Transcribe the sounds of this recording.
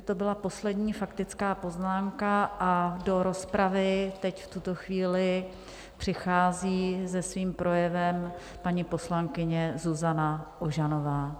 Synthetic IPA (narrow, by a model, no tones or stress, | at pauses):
t̪o̞bɪlapo̞slɛdɲiːfakt̪ɪt͡skaːpo̞znaːmkaʔado̞ɾo̞spɾavɪt̪ɛcft̪ut̪o̞xviːlɪ | pr̝̥ɪxaːziːzɛsviːmpɾʔo̞jɛvɛm | paɲɪpo̞slaŋkɪɲɛzuzanaʔoʒano̞vaː